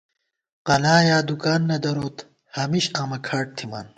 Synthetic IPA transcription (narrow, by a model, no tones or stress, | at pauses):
qɐlaːjaːd̪ukaːnːɐd̪ɐɾoːt̪ | hɐmiɕaːmɐkʰaːʈ̚t̪ʰima̰ːn